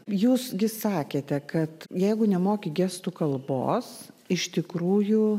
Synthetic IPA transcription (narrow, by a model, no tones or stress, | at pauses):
juːsɡʲɪsɑːkʲeːt̪ʲɛkɐt̪jɛɪɡʊnʲɛmoːkʲɪɡʲæːst̪ʊkɐlˠbo̰ːs | ɪʃt̪ʲɪkɾuːjʊ